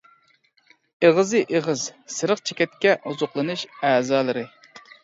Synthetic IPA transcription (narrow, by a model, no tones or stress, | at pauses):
eʁɨzɨʔeʁɨzsɨɾəqt͡ʃʰe̥kʲɛt̪̚kʲɛʔuzʊqlˠɨnɨʃæːzɑːlˠɨɾɨ